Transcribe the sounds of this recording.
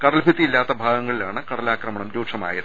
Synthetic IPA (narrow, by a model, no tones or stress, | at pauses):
kɐɽɐlbʱit̪ːijilːaːt̪ːɐbʱaːɡɐŋːɐɭilaːɳɨkɐɽɐlaːkrɐmɐɳɐmɾuːʂʰɐma̰ːjiɾ